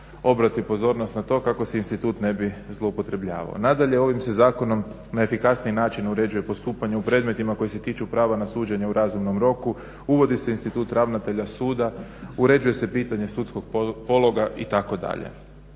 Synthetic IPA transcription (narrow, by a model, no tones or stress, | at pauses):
o̞bɾat̪ipo̞zo̞ːɾnost̪nat̪o̞ːkako̞seinst̪it̪uːt̪ne̞bizlˠo̞upo̞t̪ɾe̞bʎa̰ːʋa̰o̰nad̪aʎe̞o̞ʋimse̞zaːko̞no̞m | nae̞fikasniinaːt͡ʃinuɾe̞d͡ʒuje̞po̞st̪uːpaɲeupɾe̞ːd̪me̞t̪imako̞jise̞t̪iːt͡ʃupɾaːʋanasuːd͡ʑe̞ɲeuɾazumno̞mɾo̞ku | uʋo̞d̪ise̞inst̪it̪uːt̪ɾaʋnat̪e̞ʎasuːd̪auɾe̞d͡ʒuje̞se̞piːt̪aɲe̞sut̪sko̞ɡ̚po̞lˠo̞ɡaʔit̪ako̞d̪a̰ʎḛ